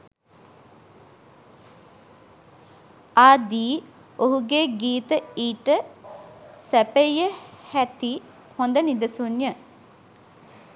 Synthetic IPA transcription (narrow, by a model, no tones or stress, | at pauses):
aːd̪iː | oɦuɡeːɡiːt̪əiːʈə | sæpejəhæt̪i | hond̪ənid̪əsunjə